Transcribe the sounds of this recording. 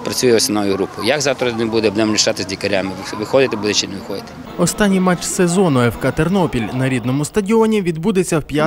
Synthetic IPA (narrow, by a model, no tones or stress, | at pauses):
pɾɐt͡sʲujʊɔsʲɪnɔjʊɦɾupʊjjɐkzɑwt̪ɾɐnɛbud̪ɛɔb̪nɛmnʲiʃt̪ɑt̪ɪzʲdʲikɐɾʲamɪʋʋɪxɔd̪ɪt̪ɛbud̪ɛt͡ʃɪnɛʋɪxɔd̪ɪt̪ɛ̥ | ɔst̪ɑnʲːijmɑt͡ʃsezɔnʊɛwkɐt̪ernɔpʲilʲnɐɾʲid̪nɔmʊst̪ɐdʲiɔnʲiʋʲid̪bud̪et͡sʲːɐwpʲja